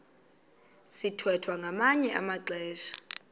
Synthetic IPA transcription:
sitʰwɛtʰwaŋɡʱamaɲɛʔa̰maǁɛːʃḁ

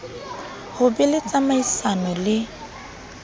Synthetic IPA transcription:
hʊbɪlɪt͡sʼamaisanɔlɪ

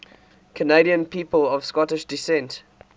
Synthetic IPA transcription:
kʰəneɪɾiə̃npiːpəlɔv̥skɔtɪʃdɪsɛ̃nt

